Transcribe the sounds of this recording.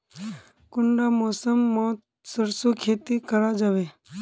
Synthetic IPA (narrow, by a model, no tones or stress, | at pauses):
kʊɳɖamɔːsəmːoːt̪ | səɾsukʰeːt̪ikəɾad͡ʒaːʋeː